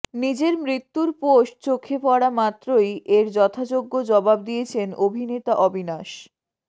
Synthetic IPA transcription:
nid͡ʑeɾmɾit̪ːuɾpoʃt͡ɕokʰːepɔɽamat̪ːɾojʔeɾd͡ʑɔt̪ʰad͡ʑoɡːod͡ʑɔbab̚d̪ijet͡ɕʰenobʱinet̪aʔɔbʱinaʃ

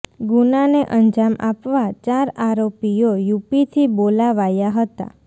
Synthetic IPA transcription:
ɡunaneʔənd͡ʒamʔapʋat͡ʃaɾaɾopijojupit̪ʰibolaʋajaɦət̪a̰

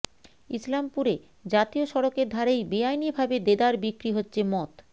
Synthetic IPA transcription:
islampuɾe | d͡ʑat̪ioʃɔɾokeɾd̪ʱaɾejbeajnibʱabed̪ed̪aɾbikɾiɦotːɕʰemɔt̪

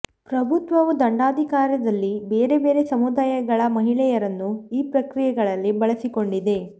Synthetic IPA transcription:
pɾɐbʱut̪ʋɐʋud̪ɐɳɖaːd̪ʱikaːɾjɐd̪ɐlːibeːɾe̞be̞ːɾe̞sɐmud̪aːjɐɡɐɭɐmɐɦiɭɛjɐɾɐnːuiːpɾɐkɾijɛɡɐɭɐlːibɐɭɐsiko̞ɳɖid̪e̞

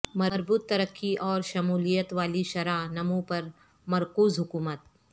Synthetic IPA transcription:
mɐɾbuːt̪ːɐɾəkʰːiʔɔːɾʃɐmuːlijət̪ʋaːliʃɐɾanɐmũpɐɾ | mɐɾkuːzɦʊkuːmət̪̚

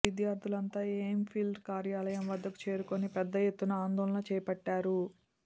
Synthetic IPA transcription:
id̪jaːɾd̪ʱulɐnt̪aːeːmpʰilɖkaːɾjaːlɐjɐmʋɐd̪ːɐku̥t͡ʃe̞ːɾuko̞nipɛd̪ːɐjet̪ːunɐaːnd̪ɔːlɐnɐt͡ʃɛːjɐpɐʈːaːɾu

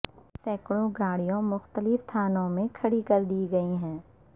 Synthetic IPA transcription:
sɛːkɽõɡaːɽijõmʊxt̪əlɪft̪ʰaːnõmẽkʰɐɽikɐɾd̪iɡɐiɦɛ̃ː

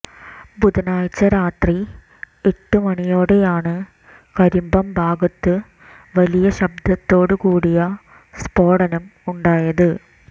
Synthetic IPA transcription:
bud̪ɐnaːjt͡ɕːɐɾaːt̪ri | eʈːɨmɐɳijo̞ːɽe̞jaːɳɨ | kɐɾumbɐmbʱaːɡɐt̪ːɨ | ʋɐlijɐɕɐb̚d̪ɐt̪ːo̞ːɽɨkuːɽijɐ | spo̞ːɽɐnɐmuɳɖaːjɐðɨ

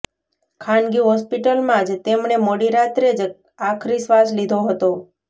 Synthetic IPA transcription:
kʰanɡiɦɔspiʈəlmãd͡ʒt̪emɳemoɽiɾat̪ɾed͡ʒ | akʰɾisʋaslid̪ʱoɦət̪o

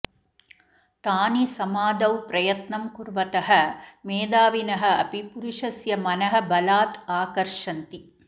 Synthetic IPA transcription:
t̪aːnisɐmaːd̪ɐwpɾɐjɐt̪nɐmkuɾʋɐt̪ɐɦɐmeːd̪aːʋinɐɦɐɐpipuɾuʂɐsjɐmɐnɐɦɐ̆bɐlaːt̪aːkɐɾʂɐnt̪i

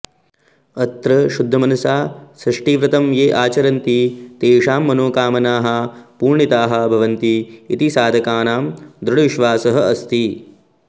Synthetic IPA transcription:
ɐt̪ɾɐʃud̪ʱːɐmɐnɐsaːsɾɐʂʈiːʋɾɐt̪ɐmjeːʔaːt͡ʃɐɾɐnt̪it̪eːʂaːmːɐnoːkaːmɐnaːɦɐpuːɾɳit̪aːɦɐ̆bʱɐʋɐnt̪iːt̪isaːd̪ʱɐkaːnaːmd̪ɾuɽʋiʃʋaːsɐɦɐɐst̪ʰi

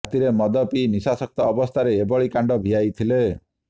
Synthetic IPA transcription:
t̪iɾemɔd̪ɔpinisasʌk̚t̪ɔːbɔst̪ʰaɾeːbɔɭikaɳɖɔbʱiajt̪ʰile

